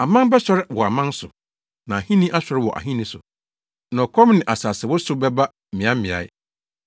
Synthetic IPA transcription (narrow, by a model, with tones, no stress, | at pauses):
a˨mã˦m˦bɛ˦ɕᶣɔ˦ɾɪ˦wɔ˨a˨mã˦n˦sʊ˨ | nã˨a˨hĩ˦nĩ˦ʔa˦ɕᶣɔ˨˦ɾɪ˦wɔ˨ʔa̰˨hĩ˦nĩ˦sʊ˨ | nã˨ɔ˨kʰɔ̃˦mnɪ̃˨ʔa˨saː˨sɪ˨wɔ˦sʊ˨˦bɛ˦ba˦˨mɪ̃˨˦a˦mɪ̃˨a̰˨ɪ̰˦